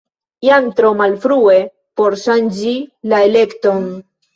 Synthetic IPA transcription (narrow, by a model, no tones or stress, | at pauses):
jant̪ɾomalfɾue̞ | po̞ɾʃand͡ʒilaele̞kto̞n